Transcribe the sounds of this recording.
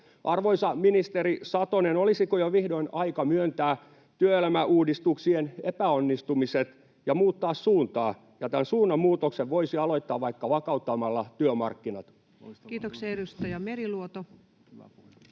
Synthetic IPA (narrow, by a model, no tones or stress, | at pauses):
ʔɑrʋoisɑminist̪eɾisɑt̪onenolisikojoʋihdoinɑikɑmyønt̪æː | t̪yøelmæʔuːdist̪uksienepæonːist̪umiset̪ | jɑmuːt̪ːɑːssuːnt̪ɑː | jɑt̪ænsuːnːɑmuːt̪okseʋʋoisiɑloit̪ːɑːʋʋɑikːɑʋɑkɑut̪ːɑmɑlːɑt̪yømɑ̰rkːinɑt̪ | kiːt̪okseɾust̪ojɑmeriluot̪o